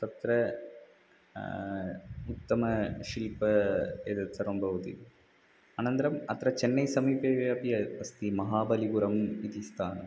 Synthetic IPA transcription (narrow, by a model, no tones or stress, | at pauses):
t̪ɐt̪ːɾɐ | ʊt̪ːɐmɐʃɪlpːɐeðɐt̪ːɐɾɐmbʱɐʋɐt̪ḭ | ɐnɐnd̪ɐɾɐmɐt̪ːɾɐt͡ʃɛnːɐɪsɐmiːpeʋɐpijɐpɐst̪imɐɦaːbɐliɡuɾɐmiðist̪ʰaːnɐm